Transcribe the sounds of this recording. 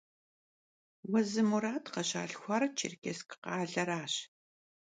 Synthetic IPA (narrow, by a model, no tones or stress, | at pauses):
wɐzɨmuɾaːtʰqɐɕa̰ːɬxʷɑːɾɐt͡ʃʰɪ̰rkʰʲeskʰɨ̥qɑːɮɐɾaːɕ